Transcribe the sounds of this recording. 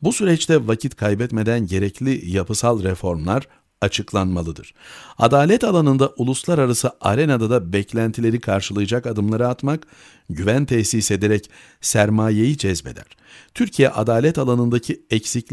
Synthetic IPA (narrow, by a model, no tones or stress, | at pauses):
busyɾɛt͡ʃt̪ʰɛvacʰit̪kʰajbɛt̪me̞d̪ænɟe̞ɾɛclʲijapʰɯsalˠɾɛfo̞ɾmlˠaɾ | at͡ʃʰɯklˠanmalˠɯd̪ɯ̰ɾ̥a̰d̪aːlʲɛt̪alˠanɯnd̪aʔulˠuslˠaɾaɾasɯʔaɾenad̪ad̪abɛclʲænt̪ʰilʲe̞ɾikʰaɾʃɯlˠɯjɯd͡ʒakad̪ɯmlˠaɾɯat̪mak | ɟyvænt̪ʰɛsiːse̞d̪eɾɛc | sæɾmaːjejid͡ʒɛzbe̞̰d̪æ̰ɾ̥t̪ʰyɾcʰijɛʔa̰d̪aːlʲɛt̪alˠanɯnd̪acʰiɛcsic